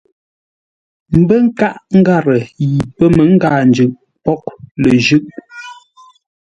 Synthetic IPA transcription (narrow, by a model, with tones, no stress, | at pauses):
m̩˨bə˦ŋ̩˦ka˦ʔŋ̩˦ɡa˦˨ɾə˨ji˨pə˦mə˨˦ŋ̩˦ɡaː˨n˨d͡ʒʉ˨ʔ | pɔ˦k̚lə˨ʒʉ˦ʔ